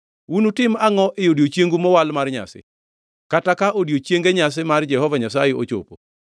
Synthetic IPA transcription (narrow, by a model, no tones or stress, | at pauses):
wunutɪmaŋɔʔɪjodiot͡ʃjeŋɡumɔwalmarɲa̰sɪ̰ | katakaʔodjot͡ʃjeŋɡeɲas̬ɪmard͡ʒɛhɔvaɲasajeo̰t͡ʃo̰po